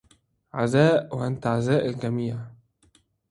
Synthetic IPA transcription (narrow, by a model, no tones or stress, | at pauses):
ʕazæːʔwaʔant̪aʕazæːʔalɡæmiːʕ